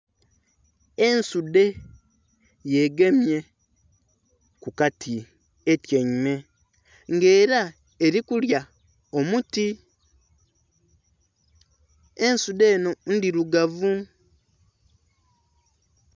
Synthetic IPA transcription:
e̞nsude̞ | je̞ɡe̞mje̞ | kukatʰi | etjeɲime̞ | ŋɡe̞ːɾa | e̞ɾikulja | omuti | ensude̞ːno̞n̩diɾuɡavu

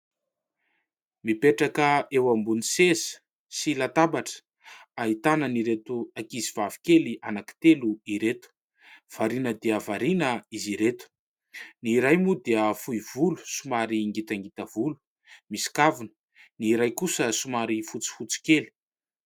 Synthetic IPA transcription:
mipeʈ͡ʂakəewambunisezə̥ | silat̪abaʈ͡ʂə̥ | aɦit̪anəniɾet̪uakiziv̥avi̥kelianaki̥t̪eluiɾet̪u̥ | v̥aɾinəd̪eəvaɾinəiziɾet̪u̥ | niɾajmud̪eəfuiv̥ulu̥sumaɾiŋɡit̪aŋɡit̪əvulu̥ | misi̥kavunə̥ | niɾajkusəsumaɾifut͡si̥fut͡si̥keli̥

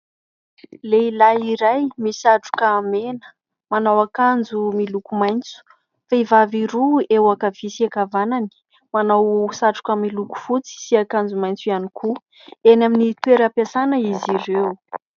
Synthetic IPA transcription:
leilaiɾajmisaʈ͡ʂu̥kaːmenə̥ | manawakand͡zumilukumajnt͡su̥ | faivaviɾuewakəv̥isiakavanani̥ | manawsaʈ͡ʂu̥kəmiluku̥fut͡si̥siakand͡zumajnt͡suianikʰu | enaminit̪weɾapasanəiziɾew

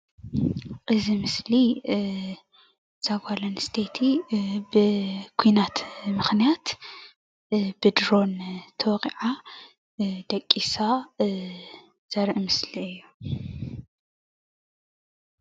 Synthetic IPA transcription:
ʔʼɨzimɨsli | z̥aɡʷalɐnst̪ʰet̪ʰibɨkʰujnat̪mɨxnijat̪ | bɨd̪ɾo̞nt̪ʰɐwɣʼiʕa | d̪ɐkʼːisa | z̥ɐɾʔmɨsliɨjːu

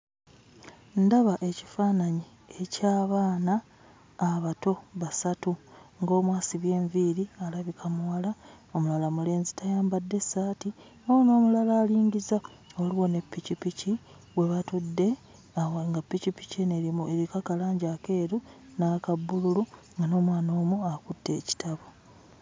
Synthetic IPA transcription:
ndaβaʔe̞cifaːnaɲi | ecaːβaːnaː | βato̞βasatuŋɡo̞ːmwaːsiβje̞ːɱviɾialaβikʰamuwala | o̞mulalamule̞ːnzitajaːmbadːe̞sːaːti | ono̞ːmulalaːliːɲɟiza | oliwo̞ne̞pːicipici | βwe̞βatudːe̞ | aŋɡapːicipi̥ceneɾimueɾikakalaːɲɟake̞ːɾunakabːululu | ŋɡano̞ːmwaːno̞ːmuakutːe̞ːci̥tʰaβo

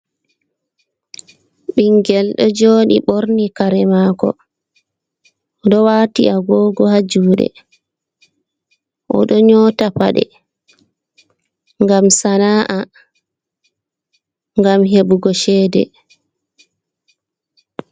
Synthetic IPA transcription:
ɓiŋɡɛlɗɔd͡ʒoːɗḭɓoɾnikaɾɛmaːkɔ̰ | ɗɔwaːtiʔaɡɔːɡɔhad͡ʒuːɗɛ̰ | ʔɔ̰ɗɔɲɔtapa̰ɗɛ̰ | ŋɡamsanaːʔa | ŋɡamɦebuɡɔʃɛːdɛ̰

